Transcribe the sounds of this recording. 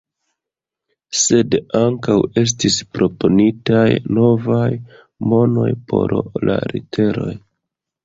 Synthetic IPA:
se̞daŋkawe̞s̬tispɾo̞ponitajno̞vaj | mo̞no̞̰jpʰo̞̰ɾla̰ɾitʰe̞ɾo̞̰j

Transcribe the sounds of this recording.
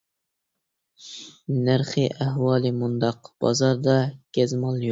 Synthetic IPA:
næɾχɨʔæhwɑːlˠɨmund̪ɑqb̥ɑ̰zɑɾd̪ɑkʲɛzmɑlˠjo

